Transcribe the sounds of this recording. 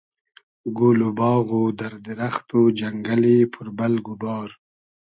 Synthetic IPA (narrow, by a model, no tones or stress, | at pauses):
ɡulubɑːɣud̪aɾd̪iɾaxt̪ud͡ʒaŋɡalipʰuɾbalɡubɑːɾ